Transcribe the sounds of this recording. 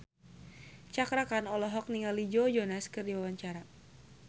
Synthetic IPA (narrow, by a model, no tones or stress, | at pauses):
t͡ʃakɾakanɔlɔɦɔk̚niŋalid͡ʒod͡ʒɔnaskɨrdiwawaɲt͡ʃaɾa